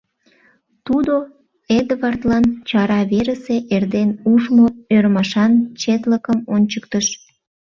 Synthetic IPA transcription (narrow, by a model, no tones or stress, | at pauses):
t̪ud̪o | ed̪əβɑrt̪lɑnt͡ɕɑɾɑβeɾəseʔerd̪enuʃmoøɾmɑʃɑnt͡ɕet̪ləkəmonʲt͡ɕək̚t̪əʃ